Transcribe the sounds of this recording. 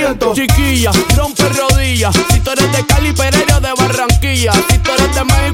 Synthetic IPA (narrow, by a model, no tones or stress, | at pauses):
ent̪ot͡ʃikiʝarɾomperoðiʝassit̪oɾeld̪ekalipeɾeɾoðeβaraŋkiʝasit̪oɾeld̪emahi